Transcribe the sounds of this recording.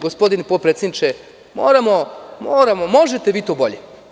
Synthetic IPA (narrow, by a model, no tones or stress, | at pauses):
ɡospo̞d̪inpot̪pɾet̪sjed̪nit͡ʃe | mo̰ːɾamomoːɾamomo̞ʒet̪eʋiːt̪oːbo̞ʎe